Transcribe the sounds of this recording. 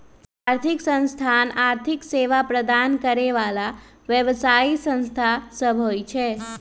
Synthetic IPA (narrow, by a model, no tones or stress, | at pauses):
aɾt̪ʰiksə̃nst̪ʰanaɾt̪ʰikseʋapɾəd̪ankəɾeʋala | ʋjəʋsaisə̃nst̪ʰasəbʱojt͡ʃʰe